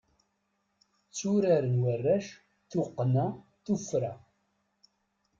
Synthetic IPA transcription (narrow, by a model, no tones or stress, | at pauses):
t͡sːuɾaɾənwərːæʃ | θʊqːnæ | θufɾa